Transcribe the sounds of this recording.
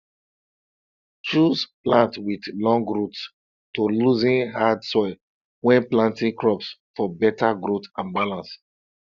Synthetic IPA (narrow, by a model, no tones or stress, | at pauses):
t͡ʃuzplãntwidlɔ̃ŋɡɹuts | toluzĩnɦadsɔɪl | wɛ̃nplãntĩŋkɹɔpsfɔbɛtaɡɹotãnbalãns